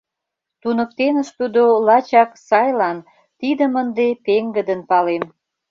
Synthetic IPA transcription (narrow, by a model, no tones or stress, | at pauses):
t̪unə̆k̚t̪enəʃt̪ud̪olɑt͡ɕɑksɑjlɑn | t̪id̪əmənd̪epeŋɡəd̪ənpɑlem